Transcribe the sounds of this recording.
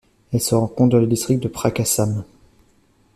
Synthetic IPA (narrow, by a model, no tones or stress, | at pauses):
ɛlsəʁɑ̃kɔ̃t̪̚d̪ɑ̃ləd̪ist̪χik̚t̪̚d̪əpχakasam